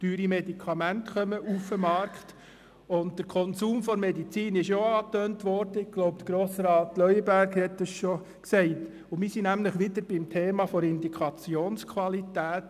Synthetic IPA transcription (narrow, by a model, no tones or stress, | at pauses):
tyːɾimɛdikʰɑmæntχœməʔufəmɑrkχt | ʊntd̥əɾkʰɔnsuːmfɔɾmɛdit͡siːnɪʃoɑːtøːntʋɔɾd̥əɪɡɡ̥loʊp̚t̪ɡ̥ɾoːsɾɑːtlœʏəbæɾɡhɛtdəsʃo | ksɛɪt | ʊmɪsinæmləχʋɪdəɾb̥ɪmtʰeːmɑfɔɾɪndikʰχɑt͡sioːnskʰʋɑlitæːt